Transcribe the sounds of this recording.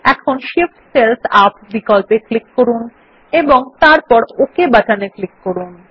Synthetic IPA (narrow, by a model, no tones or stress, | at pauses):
ɛkʰonʃifʈselsapbikɔlpeklikːoɾun | eboŋt̪aɾpɔɾokebaʈaneklikːoɾun